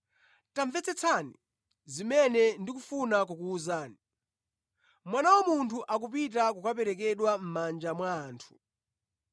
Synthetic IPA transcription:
taɱvɛt͡sɛt͡sʰanḭ | zimɛnɛndikufunak̬ukuːzaːni | mwanawɔmuntʰuʔak̬up̬it̬akukap̬ɛɾɛk̬ɛɗwam̩mand͡ʒamwaːntʰu̥

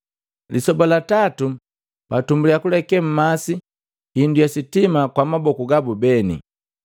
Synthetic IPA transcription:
lisɔbalatatu | patumbulijakulɛkɛm̩masi | hindujasitimakwamabɔkuɡabubɛnḭ

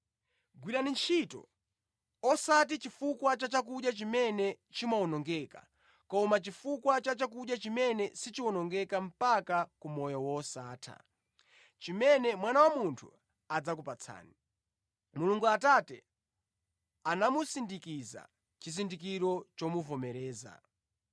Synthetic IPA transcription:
ɡwiɗanint͡ʃʰitɔ̰ | ɔsat̬it͡ʃifukwat͡ʃat͡ʃak̬uɗjat͡ʃimɛnɛ | t͡ʃimaɔnɔŋɡɛka | kɔmat͡ʃifukwat͡ʃat͡ʃak̬uɗjat͡ʃimɛnɛsit͡ʃiwɔnɔŋɡɛkam̩pakakumɔjɔwɔsaːtʰa̰ | t͡ʃimɛnɛmwanawamuntʰṵ | ad͡zakupat͡sʰa̰ːni | muluŋɡuatatɛ̰ | anamusindikiza̰ | t͡ʃizindikiɾɔt͡ʃɔmuvɔmɛɾɛːza̰

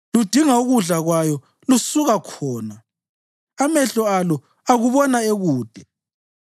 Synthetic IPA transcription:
lud̥ʱiŋauɣuɮaɣwajɔ | lusuɣakʰɔːnaː | mɛɬɔalɔ | aɣuβɔnaeɣuːd̥ʱɛ

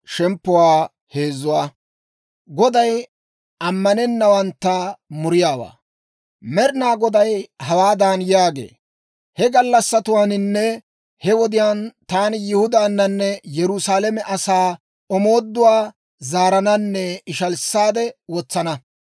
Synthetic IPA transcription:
ʃɛmpːʊwaː | he̞ːzʊwaː | ɡɔd̪ɐj | ʔɐmːɐnɛnːɐwɐnt̪ːɐmʊɾɪjaːwa̰ː | mɛɾɪnaːɡɔd̪ɐjhɐwaːd̪aːnjaːɡḛː | hɛɡɐlːɐsːɐt̪ʊwaːnɪnːɛ | hɛwɔd̪ɪjaːnt̪aːnɪjɪhʊd̪aːnːɐnːɛjɛɾʊsaːlɛmɛʔɐsaː | ɔmoːd̪ːʊwaː | zaːɾɐnɐnːɛɪʃɐlsːaːd̪ɛwɔt͡sːɐnɐ

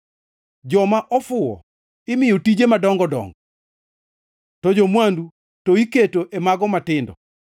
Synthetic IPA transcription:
d͡ʒɔmaʔɔfʊɔ̰ | ɪmɪjɔtid͡ʒemadɔŋɡɔdɔ̰ŋɡɔ | tɔd͡ʒɔmwandu | tɔiketoʔemaɡɔmatɪndɔ̰

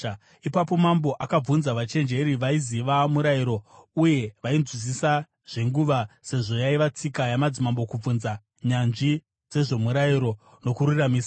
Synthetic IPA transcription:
ipapo̞mambo̞ʔakab͡vunzaʋat͡ʃe̞nd͡ʒe̞ɾiʋaiziʋamuɾaiɾo̞uje̞ʋaind͡zwis̬isa | ʐ̥e̞ŋɡuʋase̞ʐo̞jaiʋat͡sikajamad͡zimambo̞kub͡vunza | ɲanʐi | d͡ze̞ʐe̞muɾaiɾo̞ | no̞kuɾuramiːsa

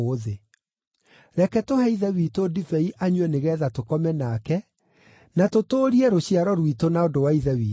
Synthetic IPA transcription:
ðe | ɾɛkɛtohɛiðɛwitodifɛiʔaɲwɛneɣɛðatokɔmɛnakɛ | natotoːɾiɛɾoɕiaɾɔɾwitonaodowaiðɛwiː

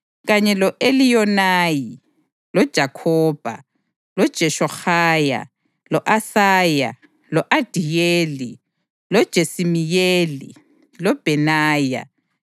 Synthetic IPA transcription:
ɣaɲɛlɔʔelijɔnaːji | lɔd̥ʒ̥ʱakʰɔːb̥ʱa̰ | lɔd̥ʒ̥ʱɛʃɔxaːja̰ | lɔʔasaːja̰ | lɔʔad̥ʱijeːli | lɔd̥ʒ̥ʱesimijeːlḭ | lɔb̥ʱɛnaːja̰

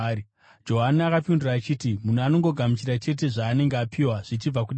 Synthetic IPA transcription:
d͡ʒo̞ɦaniakapinduraːt͡ʃiːtimunano̞ŋɡo̞ɡʱamit͡ʃiɾat͡ʃe̞t̬e̞ʐaːne̞ŋɡeapʰiwaʐ̥it͡ʃib͡vakuɗ

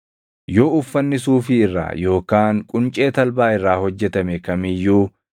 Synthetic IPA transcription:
jo̞ːʊfːɐnːɪsuːfɪːrːa̰ːjo̞ːkaːŋkʼʊnt͡ʃʼe̞ːt̪ɐlbaːɪrːaːhɔd͡ʒːɛt̪ɐmɛkɐmɪjːuː

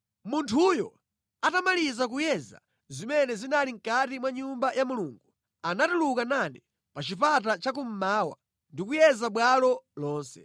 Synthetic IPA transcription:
muntʰujɔ̰ | atamalizak̬ujɛza̰ | zimɛnɛzinaliŋ̩katimwaɲumbajamuluːŋɡu | anatulukanani | pat͡ʃipatat͡ʃak̬um̩maːwa̰ | ndikujɛzaɓwalɔlɔːnsɛ̥

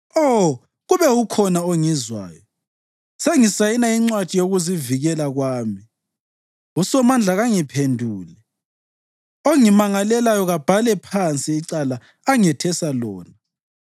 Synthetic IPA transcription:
ɔ | ɣuβɛɣukʰɔnaoŋizwa̰ːjɔ | seŋisajinaiŋ͡ǀwad̥ʱijoɣuziviɣɛlaɣwaːmi | usɔmand͡ɮʱaɣaŋipʰendʱuːlɛ | oŋimaŋalɛlajɔɣab̥ʱalɛpʰant͡sʼiːǀalaː | ŋɛtʰɛsalɔ̰ːna

